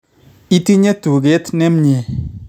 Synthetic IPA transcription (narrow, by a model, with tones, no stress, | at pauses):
i˦ti˦ɲe˦tu˨ɡe˨˦tne˦mɲe˨